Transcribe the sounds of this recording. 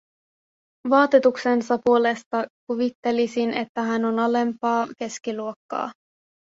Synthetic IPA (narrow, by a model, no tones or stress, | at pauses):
ʋɑːt̪et̪ukse̞nsɑpuo̞le̞st̪ɑkuʋit̪ːe̞lisine̞̰t̪ːæɦæno̞nɑle̞mpɑːke̞skiluokːɑ̰ː